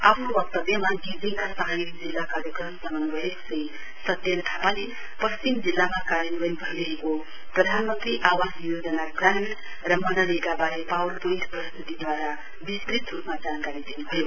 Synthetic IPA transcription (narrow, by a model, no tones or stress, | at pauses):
apʰnobʌk̚t̪ʌbjʌmaɡid͡zikasʌɦajekd͡zilːakaɾjəkɾʌmsʌmənbʌɦeksə̃j | sʌt̪jʌnʈʰapale | pʌst͡ʃimd͡zilːamakaɾjənbənibʱʌiɾʌɦeko | prʌd̪ʱanmənt̪ɾiʔawasjod͡zənaɡɾãɳʈ | ɾʌmʌnəɾeɡabaɾepawlpojit̪ʰpɾʌst̪it̪id̪waɾa | bist̪ɾit̪ɾupmad͡zankaɾid̪inubʱʌjo